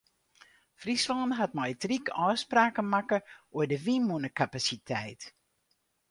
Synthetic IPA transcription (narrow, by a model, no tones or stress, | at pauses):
frisʋɔnɦat̚mɔjtrikɔːspraːkəmakəuədəʋimunəkapasitʰɛjt